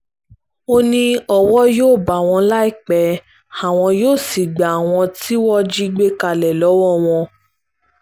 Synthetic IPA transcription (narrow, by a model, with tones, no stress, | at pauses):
o˦nĩ˧ɔ˦˨wɔ˦joː˦˨ba˨w̃ɔ̃˧la˦i˦˨k͡pɛ˨˦ | a˨w̃ɔ̃˧joː˦˨si˨ɡ͡ba˨w̃ɔ̃˧ti˦wɔ˦d͡ʒi˦ɡ͡be˦ka˧˨lɛ˨lɔ˨˦wɔ˦˨w̃ɔ̃˧